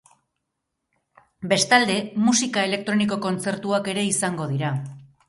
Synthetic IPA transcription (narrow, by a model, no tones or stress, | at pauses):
be̞st̪ald̪e̞musikae̞le̞k̚t̪ɾo̞niko̞ko̞nt͡se̞ɾt̪uake̞ɾe̞isaŋɡo̞ðiɾa